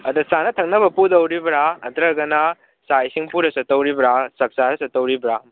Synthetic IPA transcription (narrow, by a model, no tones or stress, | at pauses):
ɐdusanɐtʰɐŋ̚nɐbɐpudɐwɾibɾaɐt̪ɾɐɡɐna | sajsiŋpuɾɐsɐtɐwɾibɾasɐk̚saɾɐsɐtɐwɾibɾa